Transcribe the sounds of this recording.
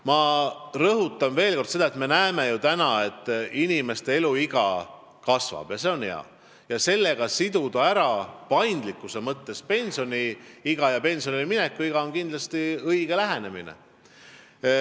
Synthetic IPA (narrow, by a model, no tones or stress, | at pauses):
mɑrɤɦut̪ˑːɑnve̞ːlko̞rd̪se̞d̪ɑet̪me̞næeme̞jut̪ænɑe̞t̪ːˑinime̞st̪e̞e̞luiɡ̥ɑ̰ | kɑsvɑ̰b̥jɑse̞o̞nhe̞̰ɑ̰ | jɑse̞lːe̞ɡ̥ɑsid̪̥ud̪ɑæɾɑpɑjnd̪likːˑuse̞mɤt̪ːe̞spe̞nsio̞niiɡ̥ɑjɑpe̞nsio̞niliminekːˑuiɡ̥ɑo̞nkind̪lɑst̪iɤjɡ̥e̞læɦe̞ne̞mḭnḛ